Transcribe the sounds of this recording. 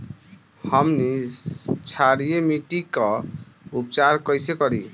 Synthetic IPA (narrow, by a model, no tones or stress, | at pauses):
həmni | t͡ʃʰaɾijemiʈikʌ | up̚t͡ʃaɾkʌjsekɔɾi